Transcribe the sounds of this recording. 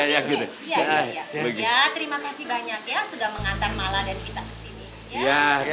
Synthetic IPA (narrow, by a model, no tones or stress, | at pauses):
jaɡit̪u | jjabəɡiat̪əɾimakasihbaɲakjasudahməŋant̪armaladaɾikit̪akə̥sini | ja